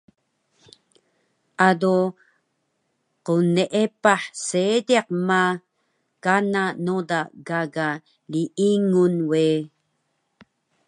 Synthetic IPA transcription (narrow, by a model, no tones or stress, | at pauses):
ado | quneʔepaħsedeq̚ma | kananodaɡaɡa | liʔiŋunwe